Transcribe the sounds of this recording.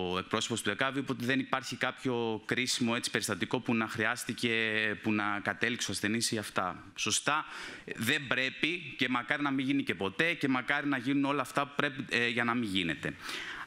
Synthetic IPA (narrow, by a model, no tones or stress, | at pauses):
oe̞k̚pɾo̞so̞post̪uekɐviipot̪eðe̞nipɐɾçikɐpço̞kɾisimo̞e̞t͡si̥pe̞ɾist̪ɐt̪iko̞punɐxɾiɐst̪ice̞punɐkɐt̪e̞likseoɐsθe̞nisiɐft̪ɐ̰ | so̞st̪ɐðe̞mbɾe̞pice̞mɐkɐɾinɐmiʝinice̞po̞t̪e̞ce̞mɐkɐɾinɐʝinuno̞lɐːft̪ɐpu̥pɾe̞piʝɐnɐmiʝine̞t̪e̞̰